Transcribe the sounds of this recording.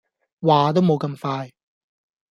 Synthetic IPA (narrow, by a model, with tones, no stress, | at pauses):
waː˨t̪̬o˥wmo˨˧wkɐ˧mfaː˧j